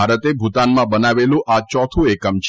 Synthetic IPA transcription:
aɾət̪ebʱut̪anmãbənaʋelũʔʔat͡ʃɔt̪ʰũekəmt͡ʃʰ

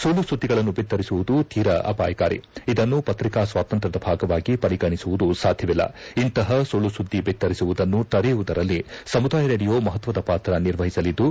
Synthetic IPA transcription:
soːlusud̪ʱːiɡɐɭɐnːubit̪ːɐɾisuʋud̪ut̪iːɾɐʔɐ̰pa̰ːjɐka̰ːɾḭid̪ɐnːupɐt̪ɾikaːsʋaːt̪ɐnt̪ɾɐd̪ɐbʱaːɡɐʋaːɡipɐɾiɡɐɳisuʋud̪usaːd̪ʱjɐʋilːɐ̰int̪ɐɦɐsoːlusud̪ʱːibit̪ːɐɾisuʋud̪ɐnːut̪ɐɾijuʋud̪ɐɾɐlːisɐmud̪aːjɐɾeːɽijo̞ːmɐɦɐt̪ʋɐd̪ɐpaːt̪ɾɐniɾʋɐɦisɐlid̪ːu

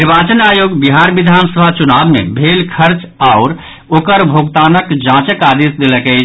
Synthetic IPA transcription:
niɾbat͡ʃənajoɡbiɦaɾbid̪ʱansəbʱat͡ʃunabmḛbʱelkʰəɾt͡ʃ | aʊɾ | okəɾbʱoɡt̪anəkd͡ʒãt͡ʃəkad̪isd̪eləkɛɪt͡ʃʰ

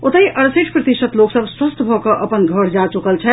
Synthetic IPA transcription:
ot̪əɦiʔəɾsiʈʰpɾət̪iʃət̪loksəbswəst̪bʱɔkəʔəpənɡʱəɽ̤d͡ʒat͡ʃukəlt͡ʃʰɛ

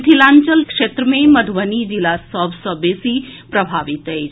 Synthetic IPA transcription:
t̪ʰilant͡ʃəlkʂet̪ɾəmeməd̪ʱʋənid͡ʒilasəbʱsəbesipɾəbʱaːʋit̪ɦejt͡ʃʰ

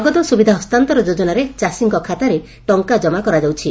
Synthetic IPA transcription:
ɡɔt̪ɔsubid̪ʱaɦɔst̪ant̪ɔɾɔd͡ʒod͡ʒɔnaɾet͡ʃasiŋkɔkʰat̪aɾe | ʈɔŋkad͡ʒɔmakɔɾad͡ʒawt͡ʃʰi

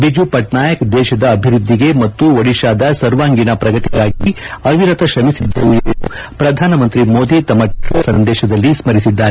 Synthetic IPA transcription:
bid͡ʒupɐʈnaːjɐkd̪ɛːʃɐd̪ɐːbʱiɾud̪ʱːiɡe̞mɐt̪ːuʋɐɽiʃaːd̪ɐsɐɾʋaːŋɡinɐpɾɐɡɐt̪iɡaːɡi | ɐʋiɾɐt̪ɐʃɐmisid̪ːɐʋueu | pɾɐd̪ʱaːnɐmɐnt̪ɾimoːd̪ʱit̪ɐmɐʈɾɐsɐnd̪ɛːʃɐd̪ɐlːismɐɾisid̪ːaːɾe

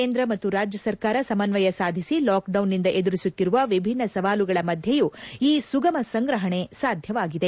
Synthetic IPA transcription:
keːnd̪ɾɐmɐt̪ːuɾaːd͡ʒjɐsɐɾkaːɾɐsɐmɐnʋɐjɐsaːd̪ʱisilaːkɖɐwnːind̪ɐʔed̪uɾisut̪ːiɾuʋɐʋibʱinːɐsɐʋaːluɡɐɭɐmɐd̪ʱjɐjuiːsuɡɐmɐsɐŋɡɾɐɦɐɳe̞saːd̪ʱjɐʋaːɡid̪e̞

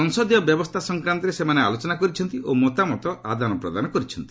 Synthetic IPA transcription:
ɔŋsɔd̪jɔbjɔbɔst̪ʰasɔŋkɾant̪ɔɾesemanealot͡ʃɔnakɔɾit͡ʃʰɔnt̪iʔomɔt̪amɔt̪ɔʔa̰d̪ʱanɔpɾɔd̪anɔkɔɾit͡ʃʰɔnt̪i̥

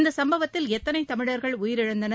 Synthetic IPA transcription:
nd̪ɐsɐmbɐʋɐt̪ːɪlɛt̪ːɐnɐɪt̪ɐmɪɻɐɾɣɐɭʊjɪɾɪɻɐnd̪ɐnɐ

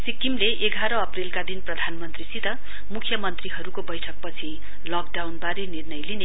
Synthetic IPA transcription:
sikimleʔeɡʱaɾʌːprelkad̪inprʌd̪ʱanmʌnt̪risit̪ʌ | mukʰjʌmʌnt̪riɦʌɾukobʌjʈʰʌk̚pʌt͡sʰi | lʌkɖawnbaɾenirnʌjline

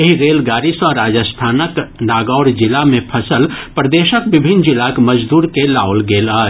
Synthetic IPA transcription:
eɦiɾeːlɡaːɾisɔːɾːaːd͡ʒəst̪ʰaːnəknaːɡɔːɽd͡ʒɪlamẽpʰɐsəlpɾəd̪eːʃəkbɪbʱɪnd͡ʒɪlakmɐd͡ʒd̪uːɾkelaːʊlɡeːla

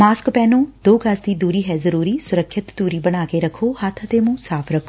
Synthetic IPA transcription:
maːskpɛːnõːd̪oːkasd̪iːd̪uːɾiːɦɛːzəɾuːɾiːsʊɾəkʰʃɪt̪d̪uːɾiːbəɽ̃aːkeɾəkʰoːhət̪ʰət̪emũsaːpʰɾəkʰo

